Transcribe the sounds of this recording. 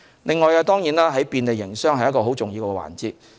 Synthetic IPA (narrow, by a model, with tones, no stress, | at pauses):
lɪ˨˧ŋːɔː˨jaː˧t̪ɔː˥ŋjiː˨˥naː˥ɦɐ˨˥jpiː˧nle˨jːɪ˨˩ŋsœː˥ŋhɐ˨jɐ˥kɔː˧ɦo˨˥wt͡sʊ˨ŋjiː˧wkɛː˧˥˧wa̰ː˨˩nt͡siː˨t̚